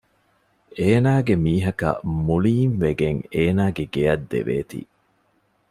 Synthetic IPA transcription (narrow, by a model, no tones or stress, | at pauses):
eːnaːɡemiːɦɐkɐ̰muliːnʋeɡeŋeːnaːɡeɡeɐd̪ːḛʋḛːt̪ḭː